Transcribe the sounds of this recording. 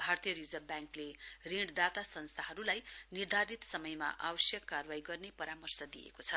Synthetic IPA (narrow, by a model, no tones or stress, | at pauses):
bʱart̪ijʌɾid͡zʌrbjaŋkleriɽd̪at̪asʌnst̪ʰaɦʌɾulajnird̪ʱaɾit̪sʌmʌjma̰ʔawʌsjʌkːarwajɡʌrnepʌɾamʌrsʌd̪ijḛkot͡sʰʌ